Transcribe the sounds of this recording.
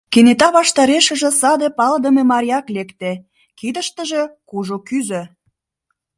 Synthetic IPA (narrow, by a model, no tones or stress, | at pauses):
kenet̪ɑβɑʃt̪ɑɾeʃə̆ʒə̆sɑd̪epɑld̪əmemɑɾʲjɑklekt̪e | kid̪ə̆ʃt̪ə̆ʒĕkuʒokyzø̆